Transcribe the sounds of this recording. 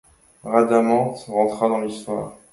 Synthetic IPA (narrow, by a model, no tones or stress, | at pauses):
ʁad̪amɑ̃t̪ʁɑ̃t̪χad̪ɑ̃list̪wa̰ːʁ